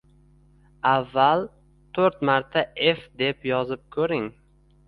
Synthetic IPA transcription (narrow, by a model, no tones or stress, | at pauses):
avːal | t̪ʰɵɾt̪maɾt̪ʰae̞fd̪e̞pjɒzɪp̚kʰɵɾɪŋ